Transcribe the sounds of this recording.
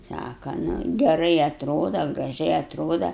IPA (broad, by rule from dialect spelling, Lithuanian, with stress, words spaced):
ˈsɑːkɐ nʊ ɡʲɛˈrɐɪ ɐtˈroːdɐ ɡrɐˈʒʲɛɪ ɐtˈroːdɐ